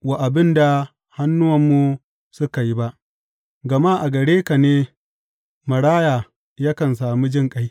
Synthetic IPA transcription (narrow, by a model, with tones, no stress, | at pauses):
wa˨ʔa˨bɪ˦nda˨ | ha˦nːʊ˦wɐ˨mːu˨ | sʊ˦ka˨ji˦ba˦ʔ | ɡɐ˨ma˦˨ʔa˨ɡɐ˨ɽeː˦ka˨neː˦ | mɐ˨ɽaː˦jaː˨ | ja˦kɐ˨ns̬aː˨mi˦d͡ʒɪ˦ŋkʼa˦j